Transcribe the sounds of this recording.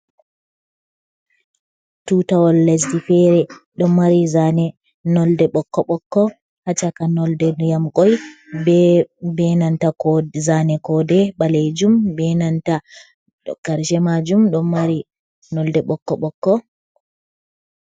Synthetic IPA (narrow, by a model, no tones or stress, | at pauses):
tutawɔlːɛs̬difɛɾɛɗɔmːaɾizanɛ | nɔldɛɓɔkːɔɓɔkːɔ | hat͡ʃakanɔldɛnjamkɔj | bɛnantaɔzanɛkɔdɛɓaled͡ʒumbɛnanta | ɡ̥aɾd͡ʒɛmad͡ʒumɗɔnːaɾi | nɔldɛɓɔkːɔɓɔkːɔ